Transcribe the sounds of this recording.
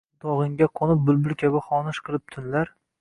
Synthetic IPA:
d̪ɒʁɨŋɡʲaqʰonɪp̚bʊlˠbɪlkʲʰabɪχɒnɪʃqʰɨlˠɪp̚t̪ʰʊnlaɾ

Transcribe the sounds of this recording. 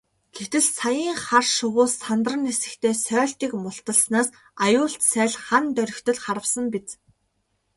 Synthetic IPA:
ɡʰet̪ɘ̆ɮsajiːŋχarʃʊʁʊːsːant̪ə̆rə̆nesɘ̆kt̪ʰeːsœːɬt̪iːkmʊɬt̪ə̆ɮsnaːs | ajʊːɬt̪sæːɮχant̪œɾʲɪ̆kt̪ɵ̆ɮχaɾə̆wsə̆mpit͡s

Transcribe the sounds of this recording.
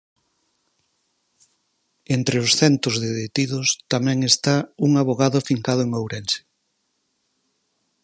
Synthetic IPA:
ent̪ɾeʊsθɛnt̪ʊzðeðet̪iðʊst̪amɛ̃ŋest̪auŋaβoɣaðʊfiŋkaðʊeŋowɾɛnse̥

